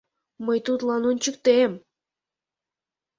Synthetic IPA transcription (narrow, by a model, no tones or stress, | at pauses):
məjt̪ut̪lɑnunʲt͡ɕɨk̚t̪em